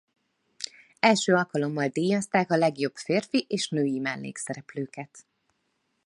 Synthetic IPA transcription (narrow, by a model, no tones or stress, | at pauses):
ɛlʃøːɒlkɒlo̞mːɒld̪iːjɒst̪aːkɒlɛɡjo̞bfeːrfiʔeːʃnøːjimɛlːḛːksɛɾɛpløːkɛt̪